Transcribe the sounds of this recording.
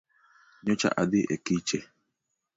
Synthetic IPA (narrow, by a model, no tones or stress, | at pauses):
ɲot͡ʃa̰ʔadɪʔɛ̰kit͡ʃɛ